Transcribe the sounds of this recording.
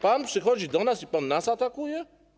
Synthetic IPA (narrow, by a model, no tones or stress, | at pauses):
panpʂɨxɔd͡ʒid̪ɔnasipanːasat̪akujɛ